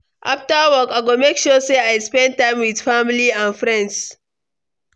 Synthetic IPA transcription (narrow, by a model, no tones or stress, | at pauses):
ʔa̰ftawɔkaɪɡomekʃuseajspɛ̃n̚tːãɪ̃mwɪdfamliãnfɹɛ̃nds